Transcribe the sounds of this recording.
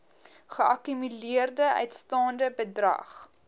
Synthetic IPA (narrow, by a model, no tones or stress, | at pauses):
χəʔɐkymyliərdəʔœ̰ɥtstɑːndəbədrɐ̰χ